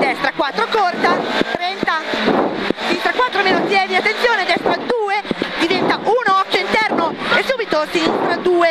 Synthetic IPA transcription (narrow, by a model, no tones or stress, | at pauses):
d̪ɛst̪ɾakwat̪ːɾokort̪at̪ɾɛnt̪a | sinist̪ɾakwat̪ːɾomenosjɛːd̪iat̪ːent̪sjoːned̪ɛst̪ɾad̪uːed̪ivɛnt̪aʔuːnoɔkːjoint̪ɛrnoesːuːbit̪osinist̪ɾad̪uːe